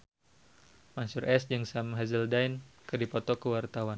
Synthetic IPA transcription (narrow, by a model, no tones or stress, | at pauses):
mansurɛsd͡ʒɨŋsamɦazəldajnkɨdipɔt̪ɔkəwart̪awan